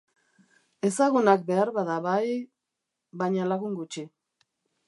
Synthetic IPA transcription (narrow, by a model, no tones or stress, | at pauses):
e̞saɣunak̚be̞aɾβaðaβaj | βajɲalaɣuŋɡut͡ʃi